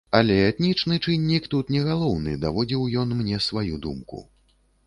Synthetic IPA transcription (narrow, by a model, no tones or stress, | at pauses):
alʲɛɛt̪nʲit͡ʂnɨt͡ʂɨnʲːikt̪ut̪nʲɛɣalˠɔwnɨ̰d̪avɔd͡zʲiwjɔnmnʲɛsvajud̪ṵmkṵ